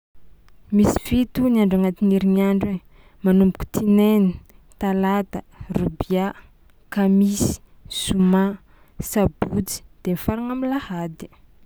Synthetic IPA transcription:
misi̥fit̪uniaɳɖ͡ʐaŋat̪iniɾiniaɳɖ͡ʐe | manumbuku̥t̪ʰinenit̪alad̪ə | rubia | kamisi̥ | suma | sabut͡si̥d̪̥emifaɾaŋamilahad̪i̥

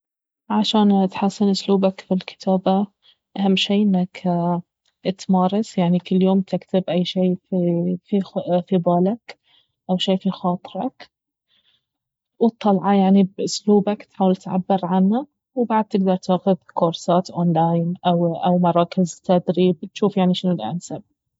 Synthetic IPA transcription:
ʕaʃaːnt̪ħasːɪnʔʊsluːbakfilkɪ̥t̪ʰaːba | ʔahamːʃiːʔɪnːak | t̪mɑːɾˤɑsjaʕnikɪlːjoːmt̪ɪkt̪ɪbʔajːʃiːffifibaːlak | ʔawʃiːfixɑːt̪ˤɾɑk | wt̪ˤːɑlʕɑjaʕnibʔʊsluːbakt̪ħaːwalt̪ʕa̰bːɪɾʕanːa | wbaʕd̪̚t̪ɪɡ̚d̪ɑɾˤt̪aːxʊðkʊɾˤsaːt̪ʔoːnlaːjnʔawʔawmɑɾˤɑːkɪzt̪ad̪ɾiːb̚t̪ʃuːfjaʕniʃɪnulʔa̰nsab̚

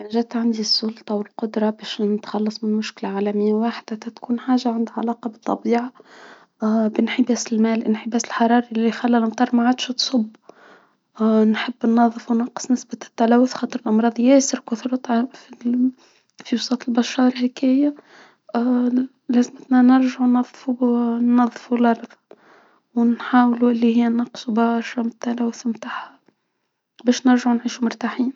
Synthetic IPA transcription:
aniʒæt̪ʕand̪isˤːʊlt̪ˤɑwɪlqʊd̪ɾˤɑbæːʃnɪt̪xɑlːɑsˤmɪnmʊʃkɪlaʕaːlæmɪjːawaːħd̪at̪æt̪kuːnħaːʒaʕand̪ʕalɑːqɑbɨt̪ˤːɑbiːʕa | bɪnħɪbæːsɪlmæːlʔɪnħɪbæːsɪlħɑɾˤɑːɾˤiixælːælʔɑmt̪ˤɑːɾˤmaʕaːd̪ʃt̪sˤʊbː | nħɪbːnːɑðˤːɨfwnɑqːɨ̥sˤnɪsbat̪ːalæːwʊθxɑːt̪ˤɨɾɪlʔɑmɾˤɑːðˤjæːsɪɾkʊθɾɑt̪ˤfi | fiwʊsˤɑːt̪ˤəlbæʃːɑːɾhɪkæːja | læzmət̪nænɪɾʒaʕunːɑðˤːfunːɑðˤːfulʔɑɾˤðˤ | wnħaːwluʔɪlːihɪjːænɑqsubɑʃɑmɪt̪ːalæːwʊθmt̪aːʕha | bæːʃnɪɾʒaʕunʕiːʃumʊɾt̪aħiːn

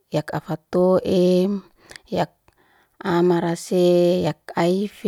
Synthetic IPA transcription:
jakafat̪oʔem | jak̚ | amaɾasejak̚aif

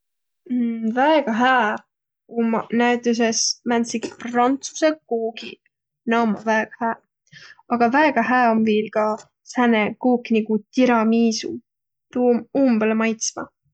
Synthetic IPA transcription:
væeɡ̥ɑɦæː | umnæt̪ˑes̬esmænsiɡiprɑnt̪su̥sekuːɡḭ | nɑmɑvæeɡ̥ɑhæː | ɑɡ̥ɑvæeɡ̥ɑɦæːomviːlɡɑ | sænekuːknikut̪iɾɑmiːsṵ | t̪uːmuːmbelmɑjt̪smɑ̰

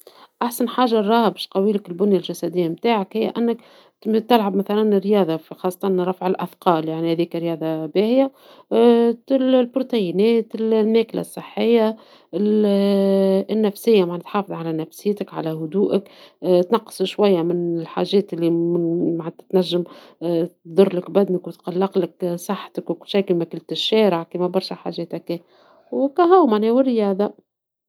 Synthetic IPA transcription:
ʔaħsanħaːʒarˤːɑːhbeʃq̪ɑwiːlɪkɪlbʊnjalʒæsæd̪ɪjːamt̪aːʕakhɪjːa̰ʔænːɪk | t̪ɪlʕabmæθalænɪrːjɑːðˤɑfxɑːsˤːɑt̪ˤɑnɾˤːɑfʕɪlʔafqɑːljaʕnihæːðiːkɾjɑːd̪ˤɑbeːhɪja | llbɾot̪æjɪnɛːt̪ɪlmæːkla̰sˤːəħːɪjːa | ɪl | ɪnːæfsɪjːamaʕnɪt̪ħɑːfɨðˤʕalænæfsjːt̪ɪkʕa̰læhʊd̪uːʔəkt̪nɑqːsˤʃwæjːamɪnɪlħa̰ːʒɛːt̪ɪlːimɪmaʕt̪t̪næʒːəm | t̪d̪ˤʊrˤlɪkbæd̪nəkwt̪qɑlːɑqləksˤɑħːt̪əkwkʊlʃiːkimækʊlt̪ɪʃːɛːɾəʕkimæbɑɾˤʃaħa̰ʒɛːt̪ækːɛː | wkæɦæwmaʕnewɪrːɪjɑːd̪ˤa

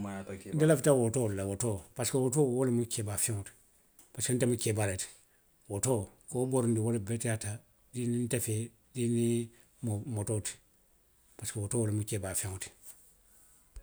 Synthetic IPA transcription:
ndilaftawotolawotopaskawotowolimukebafiŋut | paskantemukebaɾet | wotokoboɾndiwolebetjata | dinintefe | dini | mmototi̥ | paskawotowolemukeːbafiŋuti̥

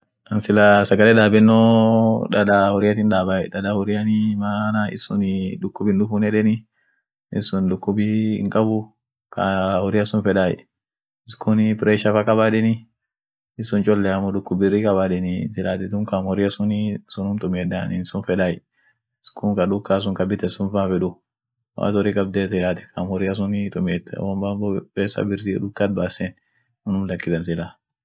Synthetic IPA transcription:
ɐnsɪlasɐɡɐlɛd̪aːbɛnːɔᶑɐᶑahɔɾɪjɐt̪ɪnd̪aːbajɛᶑɐdahɔɾɪjɐnɪmaːnaɪ̰sʊnɪᶑʊkːʊbɪnᶑʊfʊnɛᶑɛnɪ | ɪsʊnᶑʊkːʊbɪɪ̰ŋkʼɐbʊ | kʰahɔɾɪjɐsʊnfɛᶑaj̰ | ɪskʰʊnpɾɛʃɐfɐkɐbaːᶑɛnɪ | ɪsʊnt͡ʃʼɔlːɛɐmɔdʊkːʊbɪrːikʼɐbaːᶑɪnɪsɪlaːt̪ɛt̪ʊŋkamhɔɾɪɐsʊnsʊnʊmt̪ʼʊmeːᶑaːnɪnsʊnfɛᶑaːj | ɪskʰʊŋkɐᶑʊkːaːs̬ʊŋkʼɐbɪt̪ɛsʊnfaːfɛᶑʊ | wa̰ːt̪ɔɾiːkʼɐb̚d̪eːtɪlaːt̪ɛ̥kʰamhɔɾɪɐs̬ʊnɪt̪ʼʊmeːd̪̰wɐmbamɔkeːsa̰bɪɾt̪iᶑʊkːaːt̪̚baːsɛn | ɔnʊmlɐkːɪsɐnsɪlaː

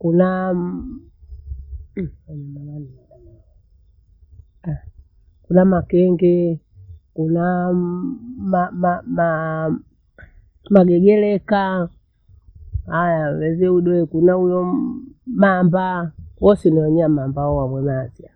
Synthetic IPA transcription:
kuna | aɲamawani | kunamakɛŋɡɛ | kuna | mamama | maɡɛɡɛlɛka | hajawɛzɛuɗwɛkunaujɔ | mambawɔsiniɔɲamambaɔwamwɛmazia

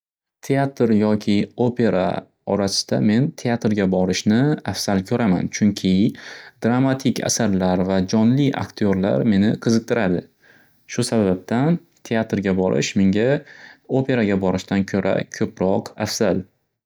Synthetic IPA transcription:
t̪ʰe̞at̪ɾjɒkʲʰɪopʰe̞ɾa̰ | ɒɾasɪ̥d̪̥ame̞nt̪ʰe̞at̪ɾɡʲabɒɾɪʃnɪafsalkʲʰɵɾama̰nt͡ʃʰʊŋkʲʰɪd̪̥ɾamat̪ʰɪkʲʰa̰saɾlaɾvad͡ʒɒnlɪʔa̰kt̪ʰijoɾla̰ɾme̞nɪqʰɨzɨq̚t̪ʰɪɾad̪ɪ | ʃʊsabab̚t̪an | t̪ʰe̞at̪ɾɡʲabɒɾʔɪ̰ʃmɪŋɡʲaopʰe̞ɾaɡʲabɒɾɪʃt̪ankʲʰɵɾʔa̰kʲʰɵpɾɒqafz̥al

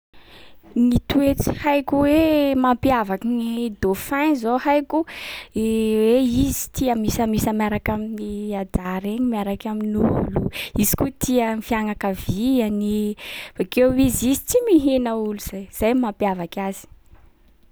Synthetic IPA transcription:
nit̪uet͡si̥hajkuwemampjavakinid̪ofanzohajku | weizi̥t̪iəmisəmisamaɾakaminiad̪aɾeɲimaɾakaminuluizi̥kut̪ʰiəmifiaŋakavianifakeizizit͡simiɦinəuluz̥ajz̥ajmampjavakʲaz̥i̥

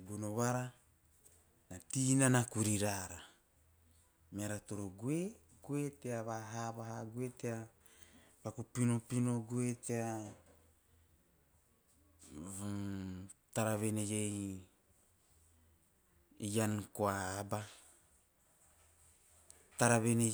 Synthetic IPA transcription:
bunoβaɾa | natinanakuɾiɾaɾa | meaɾatoɾoɡe | ɡueteaβaɦaβaɦaɡuetea | pakupinopino̞ɡuetea | taɾaβenejej | ijankoaba | taɾaβene

